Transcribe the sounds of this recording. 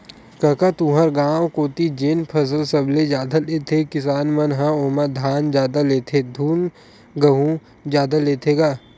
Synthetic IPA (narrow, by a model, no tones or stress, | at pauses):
kɐkat̪ũːɦəɾɡaːwkoːt̪id͡ʒenpʰɐsəlsɐbled͡ʒjaːd̪aleːt̪ʰekɪsaːnmɐnɦãoːmad̪ʱaːnd͡ʒjaːd̪aleːt̪ʰed̪ʱuːn | ɡəɦũ | d͡ʒjaːd̪aleːt̪ʰeːɡaː